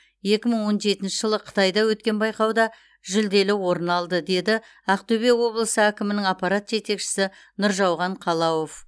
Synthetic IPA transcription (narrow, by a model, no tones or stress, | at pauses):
je̞kʲɪməɴwo̞nʒe̞t̪ɪnʃɪʒəlˠəqʰə̥t̪ɑjd̪ɑwɵt̪̚kʲe̞nbɑjqɑwd̪ɑ | ʒʏld̪e̞lɪwo̞ɾənɑlˠd̪əd̪e̞d̪ɪ | ɑqt̪ɵbe̞wo̞blˠəsəækʲɪmɪnɪŋɑpːɑɾɑt̪ʒe̞t̪e̞kʃɪ̥sɪ | nʊɾʒɑwʁɑɴqʰɑlˠɑwo̞f